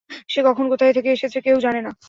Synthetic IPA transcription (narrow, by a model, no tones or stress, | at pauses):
ʃekɔkʰonkot̪ʰajt̪ʰekeeʃet͡ɕʰekewd͡ʑanena